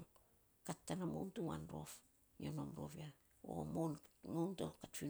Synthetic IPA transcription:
katːanamo̰wntuwa̰nɾo̞f | iono̰mɾo̞̰βia | o̰moŋowntokatfi

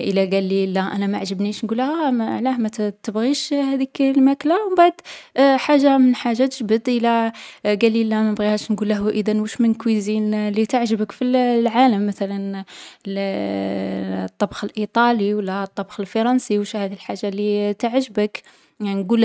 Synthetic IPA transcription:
ʔəlːæɡælːilːæʔænæmaʕʒəbniʃnɡulːhæʕlæhmæt̪t̪əbɣiʃhæd̪iklmæklawbaʕd̪ħaʒːamənħaʒːat̪əʒbəd̪ʔəlæɡælːilːæmænbɣihæʃnɡulːæɦuʔəd̪ænwuʃmənkwizinlit̪əʕʒəbəkfillʕaləmːæt̪ælæn | t̪ˤːɑbxəlʔit̪ˤɑliwəlːæt̪ˤːɑbxəlfɑɾˤɑnsiwʃhæd̪ilħaʒːalːit̪əʕʒəbək | nɡul

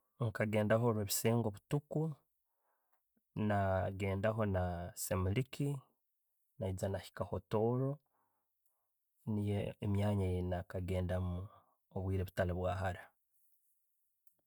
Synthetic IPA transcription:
ŋkaɡe̞ːndaɦo̞ɾweβisiːŋɡoβutuku | naɡe̞ːndaɦo̞nasemuliki | naizanaçi̥kahoto̞ːɾo̞ | nijeːmjaːɲajenakaɡe̞ːndamu | oβwiːɾe̞βutaleβwaːɦaɾa

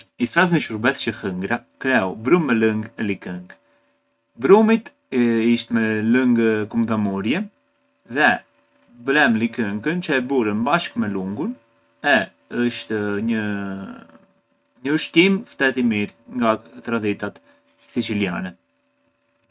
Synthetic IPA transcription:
isfɾas̬miʃuɾbɛst͡ɕəhəŋɡɾakɾɛɔbɾummːɛləŋɡɛlikəŋɡ | bɾumit̪ | iʃt̪mɛləŋɡkumd̪amɔɾjɛ | ðɛ | blɛmlikəŋkənt͡ʃəɛbuɾənbaʃkmɛluŋɡun | ɛ | əʃt̪ɲə | ɲəuʃt̪imft̪ɛt̪imiɾŋɡat̪ɾad̪it̪at̪ | sit͡silja̰nɛ

